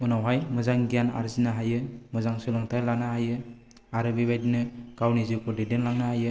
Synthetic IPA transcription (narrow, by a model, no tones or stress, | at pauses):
unawɦajmɯzaŋɡijana̰ɾzinaɦajɯmɯzaŋsɯlɯŋtʰajlanahajɯ | aɾɯbibajdinɯkawnizɯkʰɯdedenlaŋnahajɯ